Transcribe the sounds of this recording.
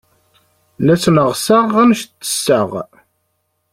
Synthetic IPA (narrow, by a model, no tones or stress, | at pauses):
læsnəʁsaʁæmʃt̪ːə̥sːəʁ